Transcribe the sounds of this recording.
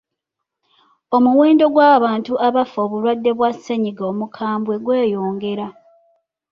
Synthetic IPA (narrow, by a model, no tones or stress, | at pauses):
o̞muweːndo̞ɡwaːβaːntuʔaβafo̞ːβuɾwadːe̞βwasːeɲiɡoːmukʰaːmbwe̞ɡwe̞ːjo̞ːŋɡe̞ɾa